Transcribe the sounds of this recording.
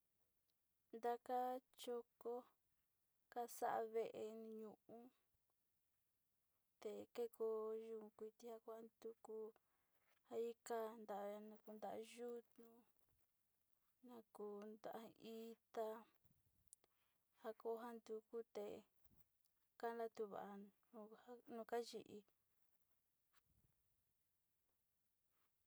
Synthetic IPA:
nd̪a˧ka˦t͡ʃo˧ko˦ | ka˦sa̰˦ʔa̰˧βe˦ʔe˧ñ˧ɲũ˧ʔũ˦ | t̪e˨ke˦ko˧ʒũ˧kʷi˧t̪i˦ha˦ko˦a˦nd̪u˧ku˦ | ha˧i˦ka˦nd̪a˨ʔnã˧ku˧nd̪a˨ʔa˧ʒu˦t̪nũ˧ | nã˧ku˧nd̪a˧ʔa˧i˦t̪a˧ | ha˧ko˧˦ɦa˦nd̪u˧ku˦t̪e˨ | ka˦nla˦t̪u˧βa̰˨ʔa˧ | ũ˧a˦nũ˧ka˦ʒi˧ʔi˧

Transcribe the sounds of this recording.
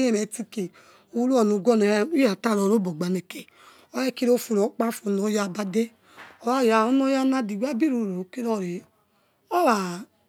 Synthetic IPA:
e˦me˨ti˦˧ke˨ | o˨˦lu˦ɔ˨nu˨˧˨ɡɔ˦n˨˦i˦a˨ta˦˨ɾɔ˨ɾo˦bo˨ɡ͡ba˨ne˨ke˨ | ɔ˦ɛ˦˨ki˦ɾo˦fu˧˨ɾo˨˦k͡pa˦fu˧˨˦no˨˦ja˦˨ba˦de˦ | ɔ˨wa˦˨ja˨o˦nɔ˦ja˦na˦di˨wa˦bi˦ɾu˧˨ɾo˨o˨ki˦ɾɔ˦˨ɾe˨ | ɔ˦wa˨

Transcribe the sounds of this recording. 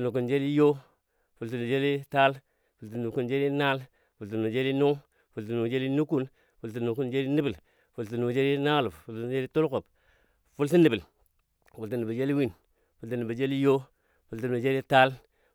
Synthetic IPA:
nu˨k̬u˨nd͡ʒe˦li˦jo˦ | fu˨ltu˨nu˨d͡ʒe˦li˦ta˦l | fu˨lti˨ni˨ku˦nd͡ʒe˦li˦na˦l | fu˨ltu˨nu˨d͡ʒe˦li˦nu˦ŋ | fu˨lt̬i˨nu˨d͡ʒe˦li˦nu˦ku˦n | fu˨lt̬u˨nu˨ku˦nd͡ʒe˦li˦ni˦bi˨ | fu˨lti˨nu˨d͡ʒe˦li˦na˦lu˨ffu˨ltu˦˨d͡ʒe˦li˦to˦lko˨b̚ | fu˦lt̬i˦ni˨bi˨l | fu˨lti˨ni˨bi˨d͡ʒe˦li˦wi˦n | fu˨lti˨ni˨ba˨d͡ʒe˦li˦jo˦ | fu˨ltu˨nu˨d͡ʒe˦li˦ta˦l

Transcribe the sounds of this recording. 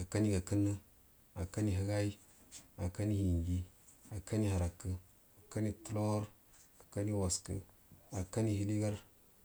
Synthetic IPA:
a˨ka˦ni˦ɡa˨kə˦nːə˦ | a˨ka˦ni˦ɦə˦ɡa˦i˦ | a˨ka˦ni˦hi˨ŋɡi˦a˨ka˦ni˦ha˨ɾa˨kːə˦ | a˨ka˦ni˦tu˦lo˦ŋa˦ɾ | a˨ka˦ni˦wa˨skə̰˦ | a˨ka˦ni˦hi˦li˦ɡa˦ɾ

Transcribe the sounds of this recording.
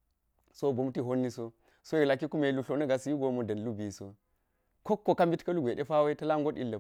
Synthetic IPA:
so˦bo˨mti˦ɦo˦nːi˦so˦ | so˦i˨la˨ki˦ku˦me˨lu˨ɬo˨nɐ˦ɡa˨si˨ji˦ɡo˨mo˨dɐ˨nlu˦bi˨so˦ | ko˦kːo˨ka˦mbi˦tkɐ˦lu˦ɡʷe˨ɗe˦fa˦we˦tɐ˦la˦ŋɡo˦ɗi˦lːɐ˨

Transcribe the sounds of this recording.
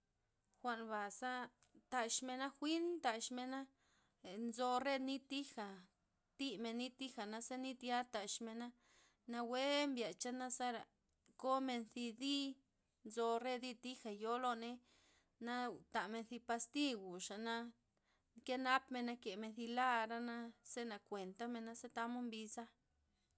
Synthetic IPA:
xʷa˧nba˨sa˦ | t̪a˧ʃme˧na˦xʷi˦nt̪a˧ʃme˧na˦˨ | nzo˧re˦d̪ni˦t̪i˦xa˨ | t̪i˦˧me˧nːi˦t̪i˦xa˨na˧sa˦ni˦t̪ja˦t̪a˧˨ʃme˧na˦ | na˧we˦mbja˨t͡ʃa˦na˦sa˦ɾa˨ | ko˦me˧nθi˧d̪i˦ | nzo˧re˦d̪i˧t̪i˦xa˨jo˦lo˦ne˦ | na˦t̪a˨me˧nθi˧pa˧st̪i˦ɡu˨ʂa˨na˧ | ŋke˦na˦pme˧na˧ke˨me˧nθi˧la˦ɾa˦na˦se˦na˨kʷe˨nt̪a˦me˧na˦se˦t̪a˧mo˦mbi˧sa˦

